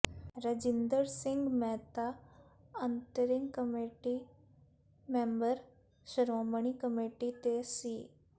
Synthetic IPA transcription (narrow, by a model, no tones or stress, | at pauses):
ɾəd͡ʒɪnd̪əɾsɪ̃ŋɡmɛːt̪a | ənt̪əɾɪŋɡkəmeʈi | mẽːmbəɾ | ʃəɾoːməɳikəmeːʈit̪esiː